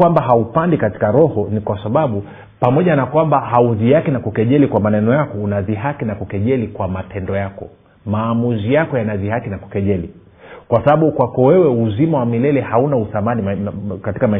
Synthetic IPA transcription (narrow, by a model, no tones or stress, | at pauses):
wambahaupandikati̥kaɾɔhɔnikwasaɓaɓu | pamɔʄanakwambahauzihakinakukɛʄɛlikwamanɛnɔjakɔunaziɦakinakukɛʄɛlikwamatɛndɔjakɔ | maːmuzijakɔjanaziɦakinaku̥kɛʄɛli | kwasaɓaɓukwakɔwɛwɛuzimawamilɛlɛhaunauθamanimkatikama